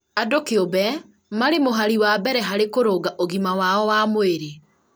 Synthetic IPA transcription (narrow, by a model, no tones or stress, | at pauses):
adokeobɛ | maɾemoɦaɾiwabɛɾɛɦaɾekoɾoːɡaʔoɣimawaɔwamoeɾe